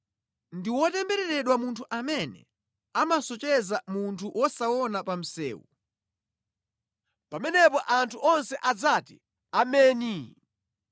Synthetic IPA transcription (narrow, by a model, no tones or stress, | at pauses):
ndiwɔtɛmbɛɾɛɾɛɗwamuntʰuʔamɛnɛ̰ | amasɔt͡ʃɛzamuntʰuʔwʔɔsawɔnapam̩sɛ̰ːwṵ | pamɛnɛpɔʔantʰuʔɔnsɛʔad͡zatḭ | amɛːni